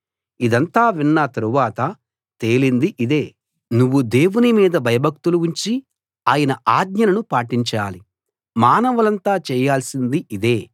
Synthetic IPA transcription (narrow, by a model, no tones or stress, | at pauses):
id̪ɐnt̪aːʋinːɐt̪ɐɾuʋaːt̪ɐ | t̪e̞ːlind̪iʔid̪e̞ː | nuʋːud̪e̞ːwunimiːd̪ɐbʱɐjɐbʱɐk̚t̪uluuɲt͡ʃi | aːjɐnɐʔaːd̪ɲɐnɐnupaːʈiɲt͡ʃaːli | maːnɐʋɐlɐnt̪aːt͡ʃɛːjaːlsind̪iʔid̪e̞ː